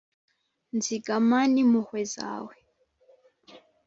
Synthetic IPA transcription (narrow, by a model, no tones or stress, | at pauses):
nd͡ziɡamanimuhwɛza̰ːwɛ